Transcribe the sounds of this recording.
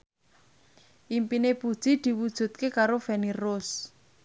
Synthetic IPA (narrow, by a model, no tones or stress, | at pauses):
ʔimpinepud̥ʒ̥i̤d̪̥i̤wud̥ʒ̥ṳt̪̚kekaɾofɛniros